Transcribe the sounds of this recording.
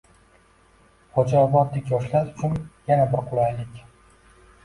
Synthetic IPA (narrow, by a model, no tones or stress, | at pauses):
χɒd͡ʒabɒd̪lɪkʲjɒʃlaɾʊt͡ʃʰʊnjanabɪɾqʰʊlˠajlɪkʲ